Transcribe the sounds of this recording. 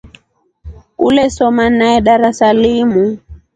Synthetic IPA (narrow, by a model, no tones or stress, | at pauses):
ulɛsɔmanaɛɗaɾasalimu